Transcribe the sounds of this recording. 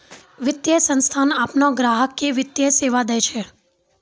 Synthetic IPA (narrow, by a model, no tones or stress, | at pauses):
ʋɪt̪jəsə̃nst̪ʰanaːpnoɡɾaːɦəkːeʋɪt̪jəseʋad̪ət͡ʃʰe